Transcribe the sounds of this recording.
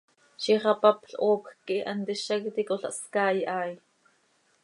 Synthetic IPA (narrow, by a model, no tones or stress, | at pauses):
ʃiχɑpɐpɬʔoːpxkiʔʔɐ̰nt̪iʃɐkt̪ikoɬa̰ʔskaːjʔaːj